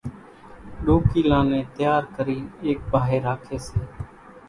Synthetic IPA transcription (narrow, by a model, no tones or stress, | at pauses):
ɗoːkiːlãːnẽːt̪jaːɾkəɾiːeːk̚baːɦeːɾaːkʰeːseː